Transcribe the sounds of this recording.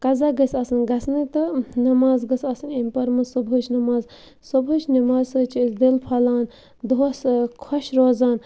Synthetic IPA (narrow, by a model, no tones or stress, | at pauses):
kɐzaɡəsɐsɨnɡɐsnɨt̪ɨnɐmaːzɡɨsɐsɨnimpɐɾmɐsobʱɨt͡ʃʰnɐmaːz | sobʱɨt͡ʃʰnɐmaːzsɐt͡ʃʰisd̪ilpʰɐlaːn | d̪oːskʰɔʃɾoːzaːn